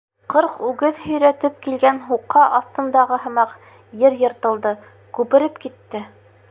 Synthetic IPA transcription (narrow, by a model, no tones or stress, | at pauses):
qɤɾqʉɡɘðhɵ̆jɾæt̪ɘp̚kilɡænɦuqːɑʔɑθt̪ɤ̆nd̪ɑʁɤɦɤ̆mɑq | jɘɾjɤ̆ɾt̪ɤ̆lˠd̪ɤ | kʉpɘ̆ɾɘpkit̪ːɘ